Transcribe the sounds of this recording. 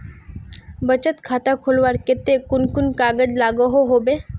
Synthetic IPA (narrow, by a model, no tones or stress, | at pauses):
bət͡ʃət̪kʰaːt̪akʰʊlʋaɾkɪt̪ekʊnkʊnkaːɡəd͡ʒlaːɡəɦoɦoːbeː